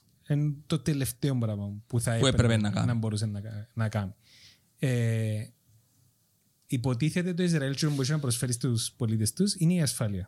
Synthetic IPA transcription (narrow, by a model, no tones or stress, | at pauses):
ent̪ot̪ele̞ft̪eombɾɐvɐpuθɐeueɾeenːɐkɐ̰nɐmbo̞ɾusɐnːɐɐnɐkɐmi | e | ipo̞t̪̬iθet̪̬et̪oizɾɐilt͡ʃuɐmbousɐnɐpɾosfeɾist̪uspo̞lit̪est̪usineiɐsfɐliɐ